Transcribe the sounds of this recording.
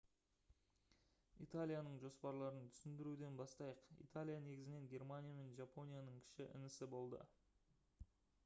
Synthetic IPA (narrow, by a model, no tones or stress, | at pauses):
ijt̪alʲijanəɴʒo̞spɑɾlˠɑɾənt̪ʰʏ̥sɪnd̪ɪɾud̪e̞nbɑst̪ɑjəqḭjt̪alʲijane̞ɡʲɪzɪne̞ŋɡʲe̞rmanʲijame̞nʒapo̞nʲijanəɴkʲʰɪ̥ʃɪʔɪ̰nɪsɪbo̞lˠd̪ə̰